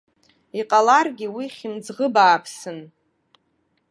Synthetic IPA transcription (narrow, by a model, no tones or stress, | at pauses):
iqʼalarɡʲiwiχʲimd͡zʁəbaːpʰsɨn